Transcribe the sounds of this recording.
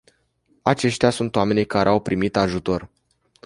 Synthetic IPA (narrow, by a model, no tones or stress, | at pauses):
at͡ʃe̞ʃt̪easunt̪oame̞nijkaɾḛawpɾimit̪aʒut̪o̞r